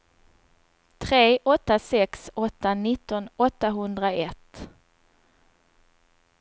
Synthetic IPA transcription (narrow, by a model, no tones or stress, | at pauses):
t̪ʰɾeːʔɔt̪ːasɛksɔt̪ːanɪt̪ːɔnɔt̪ːaɦɵnd̪ɾaɛt̪ː